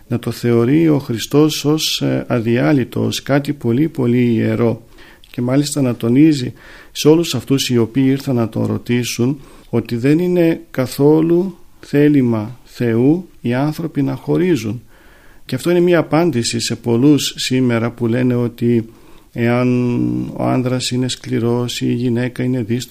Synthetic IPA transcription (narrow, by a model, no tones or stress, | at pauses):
nɐt̪o̞θe̞o̞ɾio̞xɾist̪o̞so̞sɐðiɐlit̪o̞̰skɐt̪ipo̞lipo̞liːe̞̰ɾo̞ | ce̞mɐlist̪ɐnɐt̪o̞nizi | seo̞lusɐft̪usio̞piːiɾθɐnːɐt̪o̰ɾo̞̰t̪isun | o̞t̪iðe̞nine̞kɐθo̞luθe̞limɐθe̞uiɐnθɾo̞pinɐxo̞ɾizun | ceɐft̪o̞ine̞miɐːpɐnd̪isise̞po̞lusːime̞ɾɐpule̞ne̞o̞t̪i | e̞ɐno̞̰ɐ̰nðɾɐsine̞skliɾo̞siʝine̞kɐine̞ðis